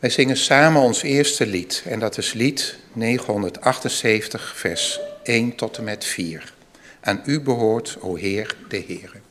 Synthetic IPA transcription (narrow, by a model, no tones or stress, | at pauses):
ʋɛjzɪŋənsaːmənɔnsɪːɹstəlitɛndɑtɪslit | nejχəɦɔndəɹtɑχtənsejfəntəχfɛɹsejntɔtəmɛtfiːɹ | ʔaːnybəɦʊːɹtowɦɪːɹdəɦɪːrə